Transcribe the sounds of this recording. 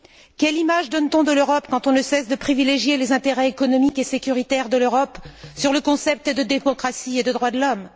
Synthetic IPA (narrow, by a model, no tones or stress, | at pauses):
kʲɛlimaʒd̪ɔnt̪ɔ̃d̪əløʁɔpkɑ̃t̪ɔ̃nəsɛsd̪əpχivileʒjelezɛ̃t̪eʁɛekɔnɔmikesekʲyʁit̪ɛʁd̪əløʁɔpsyʁləkɔ̃sɛp̚t̪d̪əd̪emɔkχasied̪əd̪ʁwad̪əlɔm